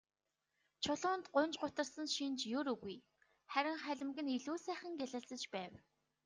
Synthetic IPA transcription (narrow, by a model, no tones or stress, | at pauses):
t͡ɕʰɔɮʊːnt̪ɢʊnt͡ɕɢʊt̪ə̆rsə̆nʃint͡ɕjʊɾɵɣuj | χæɾʲɪ̆ŋχæɮʲɪ̆mɡɘ̆niɮuːsæːχə̆ŋɡʲæɮə̆ɮt͡sə̆t͡ɕpæːw